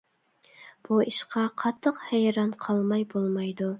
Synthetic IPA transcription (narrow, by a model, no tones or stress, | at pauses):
b̥uiʃqɑqʰɑt̪ʰːəqhɛjɾɑnqʰɑlˠmɑjbolˠmɑjd̪u